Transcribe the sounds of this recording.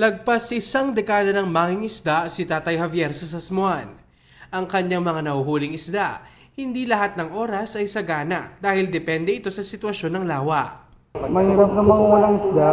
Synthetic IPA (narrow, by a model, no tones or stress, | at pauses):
lɐɡ̚pasʔɪsaŋd̪ɛkaːd̪ɐnɐŋmaːŋɪŋɪsd̪asɪt̪aːt̪ɐjhɐvjɛɾsɐsɐsmʊan | ʔɐŋkɐɲaŋmɐŋanɐhuɦuːlɪŋɪsd̪aʔ | hɪnd̪ilɐhat̪̚nɐŋʔo̞ːɾɐsʔɐjsɐɡaːnɐʔd̪aːhɪld̪ɛpɛnd̪ɛɪt̪o̞sɐsɪt̪wɐʃo̞nːɐŋlaːwɐʔ | mɐhiːɾap̚nɐŋmɐŋawɐlaŋɪsd̪a